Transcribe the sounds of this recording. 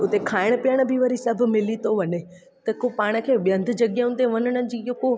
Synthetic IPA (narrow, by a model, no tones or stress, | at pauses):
ʊt̪ekʰaːɪɽ̃ʊpijəɽ̃̆bʱɪʋɐɾisɐbʱʊ̆mɪlit̪oʋɐne | t̪ɐkopaːɽ̃ə̆kʰeːɓjɐ̃nd̪ʱʊ̆d͡ʑɐɠjaʊ̃nt̪eʋɐnəɽ̃ə̆d͡ʑiːoko